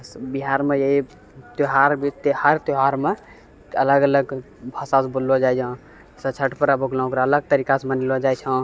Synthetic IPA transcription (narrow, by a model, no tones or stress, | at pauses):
sbiɦaɾmejəɦi | t̪oɦaɾbit̪ehaɾt̪oɦaɾme | ələɡələɡ | bʱəsasbolod͡ʒajd͡ʒə̃ | sə̃t͡ʃʰəʈpəɾaboɡlɔ̃okɾaələɡ̚t̪əɾikasmənilod͡ʒajt͡ʃʰə̃